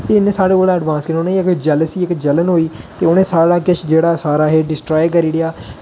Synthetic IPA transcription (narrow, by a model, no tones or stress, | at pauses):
eɪnẽːsaːɽeːkoːlãːəɖʋãːnskənːʊnẽːiːɪkd͡ʒɛːləsiːɪkd͡ʒələnɦoːiːt̪eːʊnẽːsaːɽaːkɪt͡ʃʰd͡ʒeːɽaːsaːɾaːɦeːɖɪsʈɾaːjkəɾiːɽijaː